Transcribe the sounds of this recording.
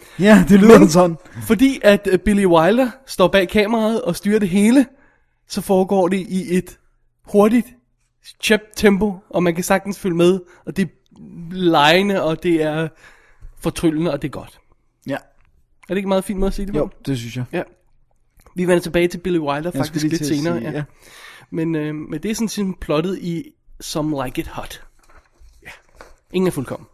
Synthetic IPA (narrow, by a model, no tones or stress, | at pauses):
jæd̥elysɒnn̩fɒ̽d̥ḭːʔæd̥b̥iliwɑ̈ɪld̥ɐsd̥ɒ̰ːb̥ɛ̰ːikʰɛ̰ːməʁɑ̈ːð̞ˠɒ̽sd̥yːɐɾe̝ɦe̝ːlə | sɒ̽fɒːɡ̥ɒ̰ːde̝ʔiʔe̝d̥ | ho̝ɐdid̥ | ɕʰeb̥̚t͡sʰemb̥o̝ʔɒ̽mænkæsɑ̈ɡ̥̚d̥n̩sføləmeð̞ˠ | ɒ̽d̥e̝ | lɑ̈ɪnəɒ̽d̥e̝æɐ | fɒ̽t͡sʰʁylənəɒ̽d̥e̝ɐɡ̥ɒ̽d̥ | æd̥ee̝ɡ̥mɑ̈ːð̞̩ˠḭn̥meðˠɐsiːd̥ed̥esynsjajæ | ʋiʋen̰ɐt͡sʰe̝b̥ɛːɪt͡sʰe̝lb̥eliwɑ̈ɪld̥ɐfɑɡ̥d̥i̥ɡsle̝̥se̝ːnɐːjæ | menømend̥e̝æɐsɔn̩sʰin̩pʰlɒ̽ɾ̥ð̞̩ˠisɒ̽mläɪɡ̥ed̥hɒ̽d̥ | e̝ŋn̩æɐfulkʰɒ̽m̰n̩